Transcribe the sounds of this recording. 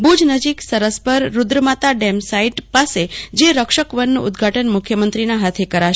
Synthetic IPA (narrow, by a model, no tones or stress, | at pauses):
bud͡ʒnəd͡ʒiksəɾəspəɾːʊd̪ɾəmat̪aɖemsaiʈpased͡ʒeɾəkʃəkʋənːṵ̃ʊd̪ɡʱaʈənmʊkʰjəmənt̪ɾinaɦat̪ʰekəɾaʃ